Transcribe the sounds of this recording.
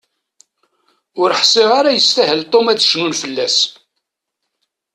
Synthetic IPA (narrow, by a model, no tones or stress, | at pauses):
ʊɾħseʁaɾajəst̪æɦəlt̪ˤːomæt͡sːə̥ʃnunfəlːæs